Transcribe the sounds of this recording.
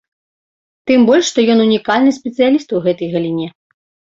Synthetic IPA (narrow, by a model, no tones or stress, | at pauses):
t̪ɨmbɔlʲʂːt̪ɔjɔnunʲikalʲnɨsʲpʲɛt̪sɨjalʲist̪wɣɛt̪ɐjɣɐlʲinʲɛ